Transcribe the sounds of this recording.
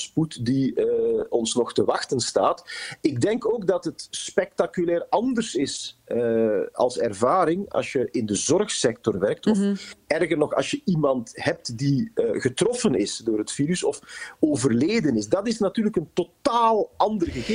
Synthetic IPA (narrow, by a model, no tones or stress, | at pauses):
sputdi | ɔnsnɔxtəʋɑxtənsta̰ːtɪɡ̚dɛŋkoːɡdɑtɦətspɛk̚takylɛːrɑndərsɪsəɑ̰lˠsɛrvaːɾɪŋɑ̰sjəʔɪndəzɔrxsɛk̚tɔrʋɛrk̚tɔfɛrɣərnɔxɑ̰lˠsjəʔimɑntɦɛp̚tdiɣətrɔfənɪsdoːrɦətfiːɾysɔfoːvərleːdənɪsdɑtɪsnatyːrləkəntotaːlˠɑndərɣəɣeː